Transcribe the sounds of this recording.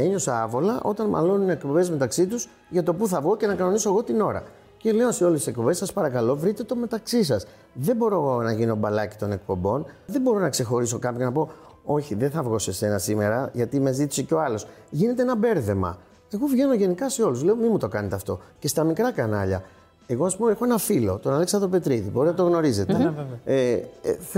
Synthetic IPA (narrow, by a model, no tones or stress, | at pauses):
e̞ɲo̞seɐvo̞lɐʔo̞t̪ɐnmɐ̰lo̞nunekpo̞be̞zme̞t̪ɐksit̪̬uz | ʝɐt̪o̞puθɐvɣo̞ce̞nɐkɐno̞niso̞eɣo̞t̪ino̞ɾɐ̰ | ce̞le̞oseo̞lest̪isek̚po̞be̞sɐspɐɾɐkɐlo̞vɾit̪e̞t̪o̞me̞t̪ɐksisɐs | ðe̞bo̞ɾo̞eɣo̞nɐʝino̞bɐlɐci̥t̪o̞ne̞k̚po̞mbo̞nðe̞bo̞ɾo̞nɐkse̞xo̞ɾiso̞kɐpçonɐpo̞ | o̞çiðeθɐvɣo̞se̞se̞nɐsime̞ɾɐʝɐt̪imezit̪i̥siceo̞ɐlo̞s | ʝine̞t̪e̞enɐbe̞ɾθe̞mɐ̰ | e̞ɣo̞vʝe̞no̞ʝe̞nikɐse̞o̞luzle̞o̞mimut̪o̞kɐnet̪eɐft̪o̞ce̞st̪ɐmikɾɐkɐnɐʎɐ | e̞ɣo̞ɐspumexoe̞nɐfilo̞t̪o̞nɐleksɐt̪ope̞t̪ɾiðibo̞ɾinɐt̪oɣno̞ɾize̞t̪ee